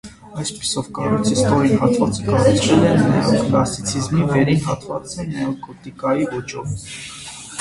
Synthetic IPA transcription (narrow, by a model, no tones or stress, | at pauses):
ɑjspi̥sɔvkɑrɔjt͡sʰist̪ɔɾinhɑt̪vɑt͡səkɑrut͡sʰvɛlɛnːɑjɛvklɑsit͡sʰizmivɛɾinɦɑt̪vɑt͡s̪ɛnɑjɛvkɔt̪ikɑjivɔt͡ʃɔv